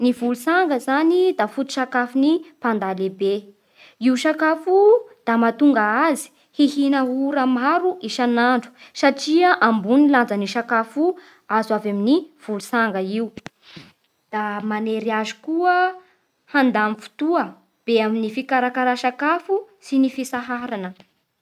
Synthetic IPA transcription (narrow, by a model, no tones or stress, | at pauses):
nivulusaŋɡəzanid̪afut̪u̥ʃakafunipand̪alebe | iuʃakafud̪̥amat̪uŋɡaazi̥ | hihinəuɾamaɾuʔiʃanaɳɖ͡ʐu̥saʈ͡ʂiaʔambuniland͡zəniʃakafu | azavaminiv̥ulusaŋɡəiu | d̪̥amaneɾiazi̥kuə | hand̪amifu̥t̪uə | b̥eaminifikaɾakaɾaʃakafusinifisaɦaɾanə